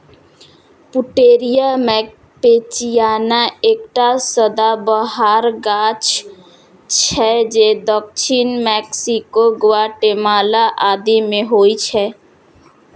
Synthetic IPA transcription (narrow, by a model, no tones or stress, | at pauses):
pʊʈeːɾijamɛ | pet͡ʃijaːnaeːk̚ʈasəd̪abəɦaɾɡaːt͡ʃ | t͡ʃʰɛd͡ʒed̪ɔk̚t͡ʃʰinmɛksikoɡʊaʈemaːlaʔaːd̪imẽɦoːit͡ʃʰɛ